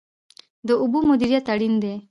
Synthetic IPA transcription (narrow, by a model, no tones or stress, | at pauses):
d̪əubumud̪iɾjat̪əɽind̪e